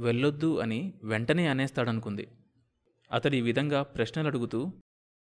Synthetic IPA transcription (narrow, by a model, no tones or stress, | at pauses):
ʋeɭːod̪ːuɐ̰niʋeɳʈɐneːɐneːst̪aːɽɐnukund̪ḭ | ɐ̰t̪ɐɽiːʋid̪ʱɐŋɡaːpɾɐʃnɐlɐɽuɡut̪uː